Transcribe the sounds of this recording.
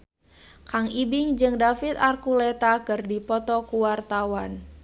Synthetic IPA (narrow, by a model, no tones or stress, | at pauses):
kaŋibiŋd͡ʒɨŋdafit̪arkulɛt̪akɨrdipɔt̪ɔkuwart̪awan